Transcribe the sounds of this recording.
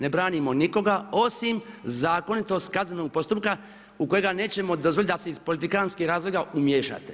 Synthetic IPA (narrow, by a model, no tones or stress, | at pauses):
nebɾaːnimo̞niko̞ɡao̞simzaːko̞nit̪o̞st̪̚kaznenoɡ̚po̞st̪up̚ka | uko̞jeɡane̞ːt͡ɕe̞mo̞d̪o̞zʋolit̪aseizpo̞lit̪̬ikaːnskihɾaːzloɡaumjeʃa̰ːt̪e̥